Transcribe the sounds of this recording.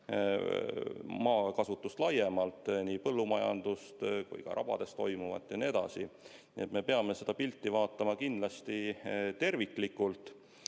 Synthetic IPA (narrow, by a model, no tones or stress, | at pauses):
mɑːkɑsut̪ːˑust̪lɑje̞mɑlt̪ːˑniːpɤlːumɑjɑ̰nd̪̥ust̪kṵjkɑ̰ɾʔɑ̰b̥ɑ̰d̪̥e̞st̪ːo̞jmuvɑ̰t̪ːˑjɑnie̞d̪̥ɑ̰sḭniet̪me̞pe̞ɑme̞se̞d̪ɑpilt̪ːivɑːt̪ːˑɑmɑkind̪lɑst̪it̪e̞rvikˑlikːˑult̪ːˑ